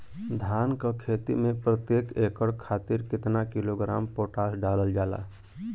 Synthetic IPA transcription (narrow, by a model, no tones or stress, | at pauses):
d̪ʱankəkʰet̪ḭmẽpɾət̪jekekəɽkʰaːt̪iɾkɪt̪nakiloɡɾa̰ːmpoʈasɖaləld͡ʒala̰